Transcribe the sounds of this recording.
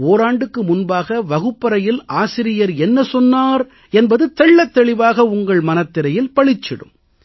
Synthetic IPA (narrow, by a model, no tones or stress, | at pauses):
oːɾaːɳɖɯkːɯmʊnbaːɣɐʋɐɣɯpːɐɾɐjɪlaːsɪɾɪjɐɾɛnːɐsɔnːaːɾ | ɛnbɐðɯt̪ɛɭːɐt̪ːɛɭɪʋaːɣɐʊŋɡɐɭmɐnɐt̪ːɪɾɐjɪlpɐɭɪt͡ʃːɪɽɯ̰m